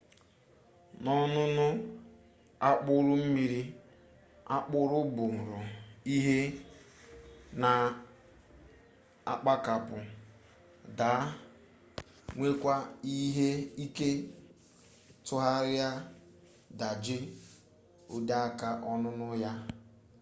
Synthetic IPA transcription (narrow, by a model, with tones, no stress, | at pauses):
nɔ˦nʊ˦nʊ˦ | a˦k͡pʊ˦ɾʊ˦m̩˦mi˦ɾi˦ | a˦k͡pʊ˦ɾʊ˦bʊ˨m̩˨ɾʊ˨i˦ɦe˦ | na˨ | a̰˨k͡pa˦ka˨pʊ˨ | da˨˦ | ŋʷe˦kʷa˦i˦ɦe˦i˦ke˦ | tʊ˦ɦa˦ɾa˦ | da˨d͡ʒɪ˦ | ʊ˨da˦a˦ka˦ʔɔ˦nʊ˦nʊ˦ja˦